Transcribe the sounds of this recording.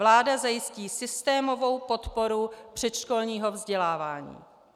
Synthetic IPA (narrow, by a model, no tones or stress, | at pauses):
vlaːdazajɪsciːsɪst̪ɛːmo̞vo̞wpo̞t̪po̞ɾupr̝̥ɛt̪ʃko̞lɲiːɦo̞vzɟɛlaːvaːɲḭː